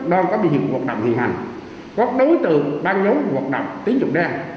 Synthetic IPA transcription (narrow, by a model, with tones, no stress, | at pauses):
ɗɔ˧nkɔ˨˦ɓḭ˧˨hi˨˩əku˨˩ək̚ɗə̰˧˨wŋ͡mhḭ˨˧˩ənhɦa̰˨˩jŋ | kɔ˨˦˥t̚ɗo˨˦jt̪ɨ̰˨˩ɓaː˧nzo˨˦ku˨˩ək̚ɗə̰˨wŋ͡mt̪i˨˦ŋzʊ̰˨˧˩ŋ͡m̚ɗaː˧